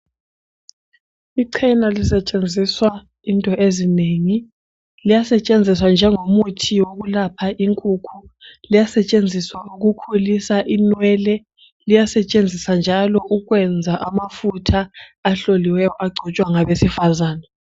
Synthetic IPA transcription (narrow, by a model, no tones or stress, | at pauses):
iǀʰɛnalisɛt͡ʃʼend͡zʱiswa | intʼɔʔezineŋi | lijasɛt͡ʃʼend͡zʱiswand͡ʒʱɛŋomutʰiwok̬ulapʰaʔiŋkʼuːkʰulijasɛt͡ʃʼend͡zʱiswauk̬ukʰulisaʔinwɛlɛ | lijasɛt͡ʃʼend͡zʱisand͡ʒʱalɔʔuk̬wɛnd͡zʱaʔamafutʰaːɬoliwɛjɔʔaɡ͡ǀʱɔt͡ʃʼwaŋaβesifazaːna